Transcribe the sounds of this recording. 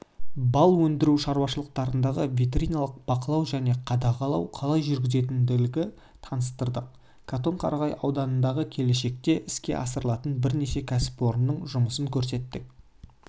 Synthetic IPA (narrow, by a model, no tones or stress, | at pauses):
bɑlˠwɵnd̪ɪɾuʃɑɾwɑʃəlˠəq̚t̪ɑɾənd̪ɑʁəvʲit̪rʲijnɑlˠəq̚b̥ɑqəlˠɑwʒæne̞qʰɑd̪ɑqɑlˠɑwqʰɑlˠɑjʒʏɾɡʲɪze̞t̪ɪnd̪ɪlɪɡʲɪ | t̪ʰɑnəst̪əɾd̪əq̚ | kʰat̪o̞ɴqʰɑ̰ɾɑʁɑjɑ̰wd̪ɑnənd̪ɑʁəkʲʰe̞le̞ʃe̞k̚t̪e̞ʔɪskʲe̞̰ʔɑsəɾəlˠɑt̪ənbɪɾne̞ʃe̞kʲʰæsɪ̥po̞ɾnːəɴʒʊməsəŋkʲʰɵɾs̬e̞t̪ːɪk